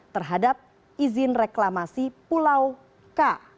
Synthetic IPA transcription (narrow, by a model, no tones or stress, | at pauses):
t̪ərɦadap̚ | izɪnreklamasipulaw | ka